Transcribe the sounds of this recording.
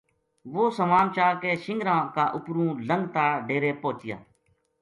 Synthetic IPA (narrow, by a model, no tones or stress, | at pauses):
ʋoːsəmaːnt͡ʃaːɾkeːʃɪŋɡɾãːkaːʔʊpɾũːləŋɡt̪aːɖeːɾeːpoːt͡ʃɪja̰ː